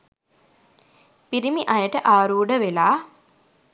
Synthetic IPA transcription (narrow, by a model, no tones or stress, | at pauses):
piɾimiʔajəʈəʔaːɾuːɖəʋelaː